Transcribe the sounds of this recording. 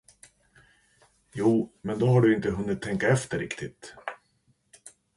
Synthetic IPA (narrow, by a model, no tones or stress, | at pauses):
juːmɛnd̪ɔɦaɖɵɪnt̪əɦɵnːɪt̪ʰːɛŋkaɛft̪əɾɪkt̪ʰɪt̪